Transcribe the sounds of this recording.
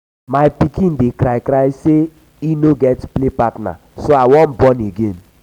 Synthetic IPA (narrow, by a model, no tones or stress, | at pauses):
maɪpikĩn̩dekɾajkɾajse | inoɡɛtplepatna̰ | soawɔn̩bɔneɡen